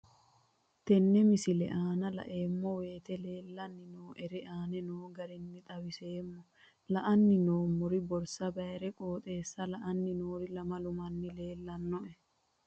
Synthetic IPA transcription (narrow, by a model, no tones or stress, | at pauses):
t̪ɛnːɛmɪsɪlɛ̰ʔaːnɐlɐ̰ʔeːmːɔweːt̪ɛleːlːɐnːɪnoːʔɛɾɛʔaːnɛnoːɡɐɾɪnːɪt̪ʼɐwɪseːmːɔ | lɐʔɐnːɪnoːmːɔɾɪbɔɾsɐbɐɛɾɛkʼoːt̪ʼeːsːɐlɐʔɐnːɪnoːɾɪlɐmɐlʊmɐnːɪle̞ːlːɐnːɔʔɛ